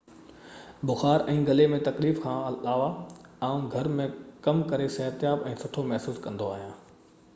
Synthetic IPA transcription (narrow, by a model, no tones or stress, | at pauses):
bʊxaːɾʔɛ̃ːɡɐlemẽt̪ɐkliːfkʰãːɐlaːʋaaːũɡʱɐɾmẽkɐmkɐɾesɐɦət̪jaːbɛ̃ːsʊʈʰomɐɦsuːskɐ̃nd̪oaːɦijãː